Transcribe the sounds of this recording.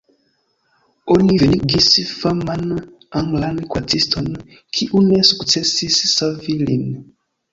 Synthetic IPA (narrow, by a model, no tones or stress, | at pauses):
oniveliɡisifaman | aŋɡlankwatʰistʰɔn | kʰiʔunesu̥kt͡sɛsisi̥savilḭn